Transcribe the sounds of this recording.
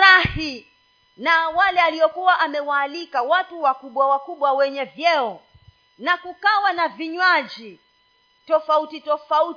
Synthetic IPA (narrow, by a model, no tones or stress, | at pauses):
ɾahi | nawalɛaliɔkuwaʔamɛwaːlikawatuwakuɓwawakuɓwawɛɲɛvjɛɔ | nakukawanaviɲwad͡ʒi | tɔfautitɔfaut